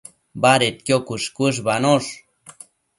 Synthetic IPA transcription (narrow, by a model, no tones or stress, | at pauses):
baɾet̪̚kjokuʂkʷuʂ̬banoʂ